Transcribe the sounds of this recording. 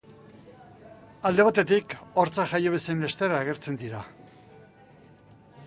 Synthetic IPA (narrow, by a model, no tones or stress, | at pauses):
ald̪e̞β̞at̪e̞t̪ikoɾt͡saʝajoβesenle̞st̪eɾaːɣ̞e̞ɾt͡se̞nd̪iɾa